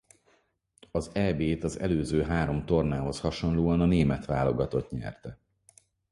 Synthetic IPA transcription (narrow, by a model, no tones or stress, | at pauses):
ɒzɛbeːt̪ɒzɛ̰løːzøːɦaːɾo̞mt̪o̞rnaːɦo̞shɒʃo̞nloːɒnɒneːmɛt̪ʋaːlo̞ɡɒt̪o̞t̪ɲɛ̰rt̪ɛ